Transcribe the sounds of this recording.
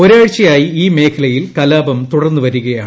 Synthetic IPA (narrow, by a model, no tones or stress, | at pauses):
oɾaːɻt͡ɕːijaːjiiːme̞ːkʰɐlɐjilkɐlaːbɐmt̪uɽɐrnːɨʋɐɾuɣɐjaːɳ